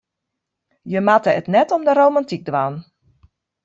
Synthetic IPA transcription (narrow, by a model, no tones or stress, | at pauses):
jəmatəətnɛtɔmdəɾowmantik̚dʋaːn